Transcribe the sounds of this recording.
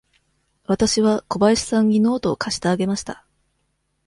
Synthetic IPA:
βat̪aɕiβako̞baiɕi̥sãɲ̟ːino̞ːt̪o̞ːkʰaɕi̥t̪aːɡe̞maɕi̥t̪a

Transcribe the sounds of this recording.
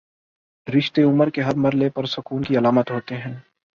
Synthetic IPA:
ɾɪʃt̪eʊməɾkeɦɐɾmɐɾlepɐɾsʊkuːnkiɐlaːmət̪ɦoːt̪eɦɛ̃ː

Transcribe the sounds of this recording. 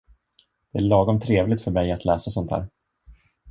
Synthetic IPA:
d̪̥ɛæɭɑːɡɔmt̪ʰɾeːvlɪt̪fœɾmɛjat̪ʰlɛːsasɔnt̪ʰhæ̰ːɾ

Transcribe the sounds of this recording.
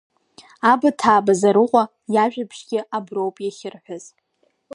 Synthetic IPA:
abatʰaːbazaɾɨqʷʼa | jaʒᶣapʰʂɡʲɪʔabrowpʼjaχʲɪrħʷʊz

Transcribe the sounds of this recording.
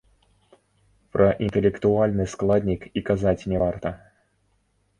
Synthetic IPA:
pɾʔɐʔint̪ɛlʲɛkt̪ualʲnɨsklˠad̪ʲnʲikikazat͡sʲnʲɛvart̪ɐ

